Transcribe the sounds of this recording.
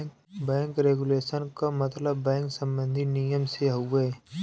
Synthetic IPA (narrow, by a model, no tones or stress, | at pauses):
bɛ̃ːŋkɾeːɡuleːʃənkamɐt̪ləbːɛ̃ːŋksə̃mbə̃nd̪ʱinijəmseɦoɡeː